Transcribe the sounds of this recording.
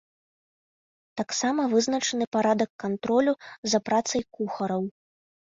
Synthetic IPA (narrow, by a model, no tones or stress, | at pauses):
t̪aksamɐvɨznɐt͡ʂɐnɨpaɾad̪ɐkːant̪ɾɔlʲuzɐpɾat̪sɐjkuxɐɾɐw